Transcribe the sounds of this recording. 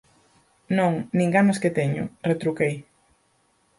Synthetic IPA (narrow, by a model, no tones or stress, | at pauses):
nõŋnĩŋɡanʊsket̪eɲʊ̰ret̪ɾukej